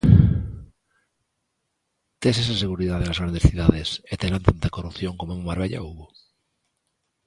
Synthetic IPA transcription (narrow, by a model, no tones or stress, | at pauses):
t̪eses̬aseɣuɾiðaðelazɣɾand̪e̞sθiuðaðeset̪elant̪ant̪ekorupθjoŋkomoemmaɾβ̞eʎa̰uβo